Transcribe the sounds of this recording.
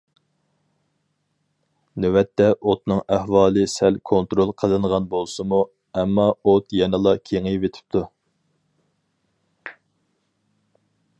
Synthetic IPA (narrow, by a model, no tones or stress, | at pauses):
nøwɛt̪ʰːɛʔot̪nɨŋæhwɑːlˠɨsælkʰont̪ɾolˠqʰəlˠɨɴʁɑnbolˠsɨmu | ɛmːɑot̪jɛnɨlˠɑkʲʰeŋɨvet̪ʰɪ̥p̚t̪ʰu